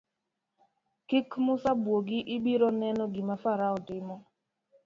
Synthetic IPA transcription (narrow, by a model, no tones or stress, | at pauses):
kɪkmʊsabwoɡɪʔɪbiɾɔnɛnɔɡɪmafaɾaɔtɪmɔ